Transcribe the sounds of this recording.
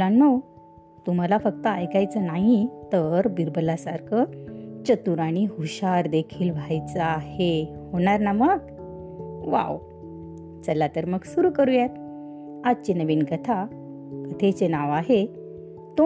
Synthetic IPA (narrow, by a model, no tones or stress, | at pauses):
lanməw | t̪um̤alafəkt̪əajkajt͡sənaɦit̪əɾbiɾbəlːasaɾkʰət͡ɕət̪uɾaɽ̃iɦuɕaɾd̪ekʰiːlʋʱajt͡səahehoɽ̃aɾnaməɡ | ʋa̰w | t͡səlːat̪əɾməɡsuɾuːkəɾujet̪ | ad̪̚t͡ɕenəʋiːnɡət̪ʰa | kət̪ʰet͡ɕenaʋaɦe | t̪o